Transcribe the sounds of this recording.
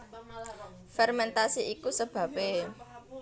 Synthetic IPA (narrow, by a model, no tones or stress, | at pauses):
fɛrmɛnt̪asiʔikusəb̥ä̤pe